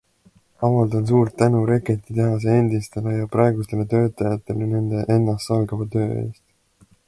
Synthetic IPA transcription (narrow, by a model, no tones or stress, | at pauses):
ɑvɑld̪̥ɑns̬uːrt̪ːænuɾe̞ket̪ːˑit̪eɦɑs̬eend̪ist̪e̞lejɑprɑe̞ɡust̪e̞le̞t̪ø̞ːt̪ˑɑjɑt̪ːˑe̞lene̞nd̪̥e̞ʔe̞nːɑst̪sɑlɡɑvɑt̪ø̞ːe̞̰ːst̪